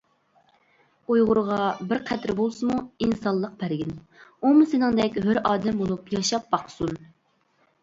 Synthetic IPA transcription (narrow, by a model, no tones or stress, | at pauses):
ojʁʊɾʁɑbɪɾqʰæt̪ɾɪbolˠsɨmuinsɑlˠːəq̚pʰæɾɡʲɪn | umusɪnɪŋd̪ɛkʲhøɾɑːd̪ɛmbolˠupjɑʃɑp̚ːɑqsun